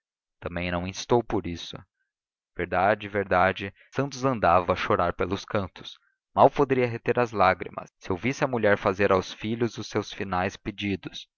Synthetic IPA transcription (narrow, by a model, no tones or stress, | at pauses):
t̪ɐ̃mbẽj̃nɐ̃w̃ĩst̪owpoɾisʊ̰ | v̥eɾd̪ad͡ʒɪveɾd̪ad͡ʒɪ | sɐ̃nt̪ʊzɐ̃nd̪avɐɐʃoɾaɾpelʊskɐ̃nt̪ʊ̥s | mawpod̪eɾiɐɦet̪eɾɐzlaɡɾḭmɐ̰sːɪowvisɪɐmuʎɛɾfazeɾawsfiʎʊzʊsːewsfinajsped͡ʒid̪ʊs